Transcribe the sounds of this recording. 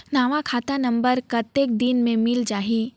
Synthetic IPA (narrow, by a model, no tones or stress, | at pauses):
naːʋakʰaːt̪anɐ̃mbəɾkɐt̪eːk̚d̪inmẽmɪld͡ʒaːɦi